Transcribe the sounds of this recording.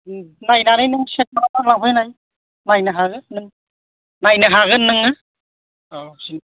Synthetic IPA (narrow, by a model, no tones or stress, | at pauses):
najnanɯjnɯŋset̚manatalabʰʱɯjnaj | najnɯɦaɣɯnɯŋ | najnɯɦaɣɯnːɯŋa | ɔsin